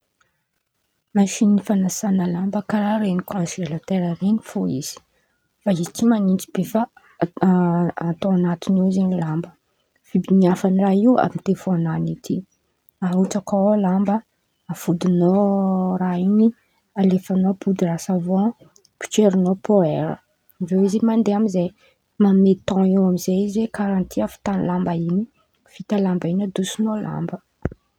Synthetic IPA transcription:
maʃinːifanasanəlambəkaɾaɾenikʰɔ̃nsilat̪eɾəɾenifoḭz̥i̥ | fait̪imanind͡ʒib̥efa | at̪oanat̪inizenilambə | fibiniafaniraiwa̰mit̪efoananit̪ʰi | auʈ͡ʂakalambə | afud̪inoraini | alefanopud̪irasavɔ̃ | pi̥t͡ʃeɾinopʰoɛɾə̰ | ivewizimand̪eamize | mamet̪ɔ̃iwamizeizwekaɾãnt̪ʰiafi̥t̪anilambaini | fit̪alambainad̪usinola̰mbə

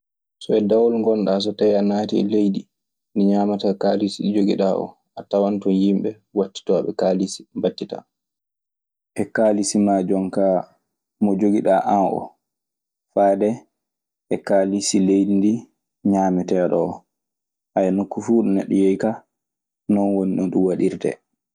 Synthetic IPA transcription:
sɔɛdawɔlŋɡɔnɗas̬ɔtajanaːtiɛ̰lejdi | ndiɲaːmatakalisiɗid͡ʒoɡiɗaʔɔ̰ | ʔatawantɔnjimɓɛ | watːi̥tɔɓɛ̰kalisi̥batːita̰ | ʔɛkaːlisimad͡ʒɔŋka | mɔd͡ʒoɡiɗaʔanʔɔ̰ | faːdɛ | ʔɛkalisilejdindi | ɲaːmɛtɛɗɔɔ | ʔajɛnokːufuːɗɔnɛ̰ɗːɔjɛjka | nɔnwoniɗɔnɗumwaɗiɾtɛ̰

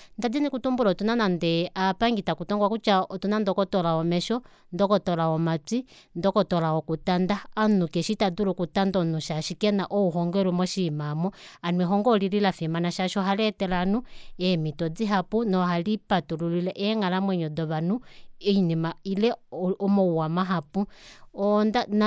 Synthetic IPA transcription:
ndad͡zinikutumbulɔtunanandɛapaŋɡitakutɔŋɡwakut͡ʃaɔtunandɔkɔtɔlaɔmɛʃɔ | ndɔkɔtɔlaɔmat͡si | ndɔkɔtɔlawɔkutandaːnukɛʃitadulukutandɔnuʃaʃikɛnaʔɔuɦɔŋɡɛɾumɔʃimamɔanwɛɦɔŋɡɔlililafimanaʃaʃɔɦalɛtɛlanuɛmitɔd͡ziɦapunɔɦalipatululilɛʔɛŋalamwɛɲɔdɔβanuɛinimailɛɔmɔuwamaɦapuɔndan

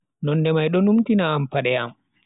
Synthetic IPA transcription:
nɔnːdɛmajɗɔnumtinaːmpaɗɛam

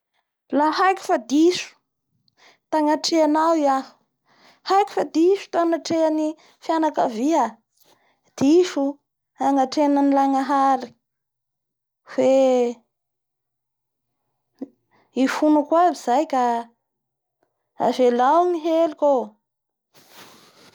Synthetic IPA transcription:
laɦajkʲu̥fad̪iʃu̥ | t̪aŋaʈ͡ʂeanawja | hajku̥fad̪iʃu̥t̪anaʈ͡ʂeani | fjanakavia | d̪̥iʃu | aŋaʈ͡ʂeananilaŋaɦaɾi̥ | fe | ifunukwabiz̥ajka | a̰zelawniɦeliko

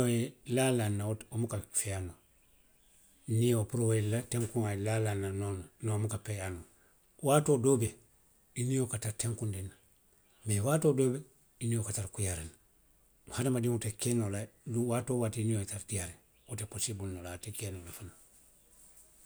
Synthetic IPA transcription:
ojelalanːaotomukafeano | niopuɾowelateŋkuŋalalanːanonnomukapejano | waːtoːdoːbe | iniokataɾteŋkundinːa | mewatoːdoːbe | inijokataɾkujaɾena | muhadamadiŋutekenoladuwaːtoːwatiiniojetaɾdijaɾe | uteposibulnolatekenolafana

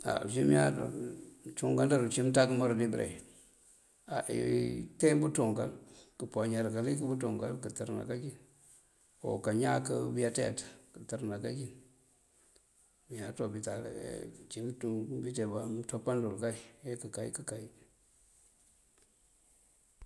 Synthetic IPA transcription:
a̰simijado̰t͡ʃuŋɡandaɾut͡ʃimtakəmaɾdibɾʔḛ | aʔḭtembutuŋɡa̰lkəpoɲaɾkalikəbutuŋɡa̰lkətəɾna̰kakin | o̰kaɲakəbijatetkətəɾnakakin | mijatobita̰t͡ʃiŋtubitebatopːandulkaiekəkaḭkəkai

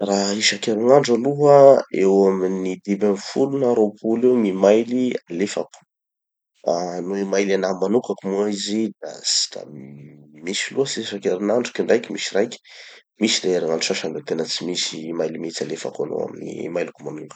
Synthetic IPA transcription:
raiʃakeɾiŋaɳɖ͡ʐaluɦəewaminid̪ibanfulunəɾopʰulewmimajlialefaku̥ | anuemajlanamanukakumuaizid̪a̰sʈ͡ʂa̰ | misiluɦəsiʃakeɾinaɳɖ͡ʐu̥kiɳɖ͡ʐajkʲimisirajkʲi̥ | misid̪eeɾaŋaɖ͡ʐusaʃandet̪enət͡simisimajlimit͡salefa̰ka̰no̰a̰minḭmajlukumanuŋɡ

